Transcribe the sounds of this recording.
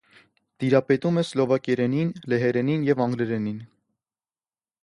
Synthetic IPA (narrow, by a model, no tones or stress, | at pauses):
d̪̥iɾɑpɛt̪umɛslɔvɑkjɛɾɛninlɛɦɛɾɛninjɛvɑŋɡlɛɾɛnin